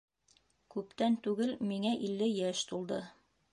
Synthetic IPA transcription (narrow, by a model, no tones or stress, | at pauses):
kʉpt̪ænt̪ʉɡɘlmiŋæʔilːɘjæʃt̪ulˠd̪ɤ